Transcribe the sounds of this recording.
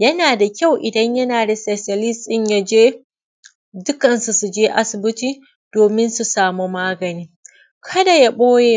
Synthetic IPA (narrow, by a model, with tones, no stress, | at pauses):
jɐ˦naː˨da˨kʲa˦wʔɪ˨dɐ˦ɲjɐ˦naː˨da˨se˨sɐ˨lɪ˦stʼɪ˦˨ɲja˦d͡ʒeː˦ | dʊ˦kɐ˨nsu˨su˨d͡ʒeː˦ʔa˦sʊ˨bɪ˦tiː˦ | d̥oː˨mɪ˦nsu˨saː˨mo˦maː˦ɡɐ˨niː˦ | kʰɐ˦da˨ja˦ɓoː˦jeː˦